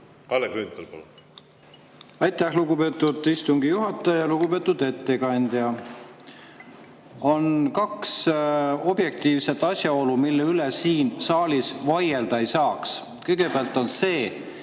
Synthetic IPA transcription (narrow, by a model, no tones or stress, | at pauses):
kɑlekɾynt̪ɑlpol | ɑjt̪ːˑæhluɡube̞ːt̪ːˑud̪ist̪uŋɡ̥ijuɦɑt̪ːˑɑjɑjɑluɡ̥ube̞ːt̪ːud̪e̞t̪ːe̞kɑnʲd̪̥jɑ | o̞nkɑkso̞b̥je̞k̚t̪iːvse̞t̪ːˑɑsjɑo̞lumilːeylesiːnsɑːlʲisvɑje̞ld̪̥ɑe̞jsɑːks | kɤjɡ̥e̞beɑlt̪ːˑo̞nse̞ː